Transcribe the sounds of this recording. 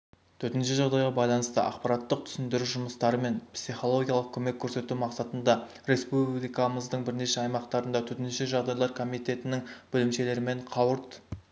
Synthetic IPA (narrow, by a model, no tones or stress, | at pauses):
t̪ʰɵɾt̪ɪnʃɪʒɑʁd̪ɑjʁɑbɑjlˠɑnəst̪əʔɑ̰qpɑɾɑt̪ːəq̚t̪ʰʏ̥sɪnd̪ɪɾuʒʊməst̪ɑɾəme̞npsiχo̞lˠo̞ɡʲijɑlˠəq̚kʲʰɵme̞kʲʰːɵɾse̞t̪umɑqsɑt̪ənd̪ɑ | ɾe̞spublijkɑməzd̪əɴbɪɾne̞ʃeɑjmɑqt̪ɑɾənd̪ɑt̪ʰɵɾt̪ɪnʃɪʒɑʁd̪ɑjlˠɑɾkʰo̞mijt̪e̞t̪ɪnɪŋb̥ɵlɪmʃe̞le̞ɾɪme̞ɴqʰɑwəɾt̪